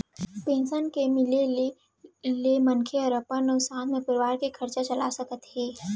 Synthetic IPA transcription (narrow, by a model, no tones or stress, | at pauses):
pẽːnsənkemɪle | lemɐnkʰeɔːɾəpənɔsãːnmẽpəɾɪʋaːɾkikʰɐɾt͡ʃat͡ʃɐlasəkət̪ɦɛː